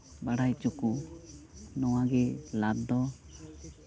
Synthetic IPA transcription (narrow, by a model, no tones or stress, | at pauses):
baɽajt͡ʃɔku | nɔwaɡɛlad̪ɔ